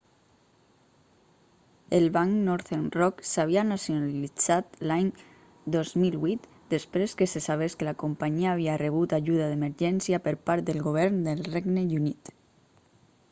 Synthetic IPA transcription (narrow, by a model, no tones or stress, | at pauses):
elβaŋnɔɾθenrɔksaβianasjonalid͡zat̪laɲ | d̪ɔzmilβwit̪ | d̪əspɾeskesesaβ̞eskelakompaɲiaːβ̞iareβ̞ut̪aʒuðaðeməɾʒɛnsjapəɾpaɾt̪̚d̪elˠɣoβ̞ɛɾnd̪elˠreɡnejunit̪